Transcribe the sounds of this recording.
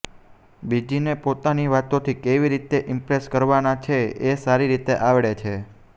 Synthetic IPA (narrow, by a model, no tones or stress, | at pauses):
bid͡ʒinepot̪aniʋat̪ot̪ʰikeʋiɾit̪eʔɪmpɾeskəɾʋanat͡ʃʰeesaɾiɾit̪eʔaʋɭet͡ʃʰe